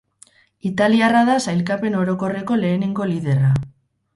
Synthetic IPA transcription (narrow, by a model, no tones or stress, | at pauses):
it̪aliaraðasajlkape̞no̞ɾo̞ko̞re̞ko̞le̞ːneŋɡo̞liðe̞ra